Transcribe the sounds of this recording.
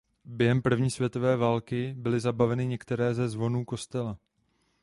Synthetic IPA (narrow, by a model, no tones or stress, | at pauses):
bjɛɦɛmpr̩vɲiːsvjɛt̪o̞vɛːvaːlkɪbɪlɪzabavɛnɪɲɛkt̪ɛɾɛːzɛzvo̞nuːko̞st̪ɛla